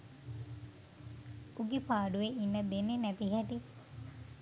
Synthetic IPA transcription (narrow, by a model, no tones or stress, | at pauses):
uɡipaːɖuʋeʔinːəd̪enːenæt̪iɦɛʈi